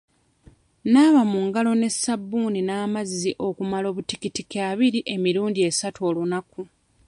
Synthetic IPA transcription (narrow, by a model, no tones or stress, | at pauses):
naːβamuŋɡalo̞ne̞sːabːuːninaːmazːiʔo̞kumalo̞ːβutikitikaːβiɾiʔe̞miɾuːndie̞satuo̞lunaku